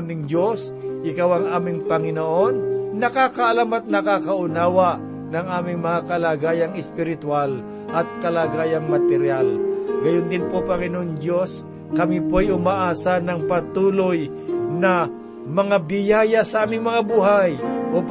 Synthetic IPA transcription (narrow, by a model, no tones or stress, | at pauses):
mɪŋd͡ʒos | ʔɪkawɐŋaːmɪŋpɐŋɪnoʔo̞nːɐkakɐʔɐlamɐt̪̚nɐkakɐʔʊnaːwa | nɐŋʔaːmɪŋmɐŋakɐlaɡaːjɐŋɛspɪɾɪt̪wal | ʔɐt̪̚kɐlaɡaːjɐŋmɐt̪ɛɾjalɡɐjʊnd̪ɪnpopɐŋɪnoʔoŋd̪jos | kɐmipojʔʊmaʔaːsanɐŋpɐt̪uːloj | nɐ | mɐŋabɪjaːjasɐʔaːmɪŋmɐŋabuːɦajʔo